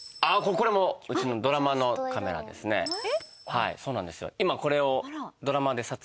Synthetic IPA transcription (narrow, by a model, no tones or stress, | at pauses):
akoko̞ɾe̞mo̞ɯ̟t͡ɕino̞d̪o̞ɾamano̞kame̞ɾa̰d̪e̞̰sɨne̞̰ | haḭsoːnãnd̪e̞sɨjo̞̰imako̞ɾe̞o̞d̪o̞ɾamad̪e̞sat͡s